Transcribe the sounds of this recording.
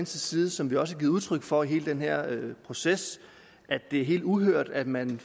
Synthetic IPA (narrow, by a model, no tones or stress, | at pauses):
nsəsiːðˠəsɒ̽mʋiɒ̽səæɡiːð̩ˠuð̞ˠt͡sʰʁœɡ̥fɒ̽iɦe̝ːləd̥enɦeɐ̰øpʰʁo̝ses | ʔæd̥d̥e̝æɐɦe̝̰ːld̥uɦøɐ̰d̥æd̥mæn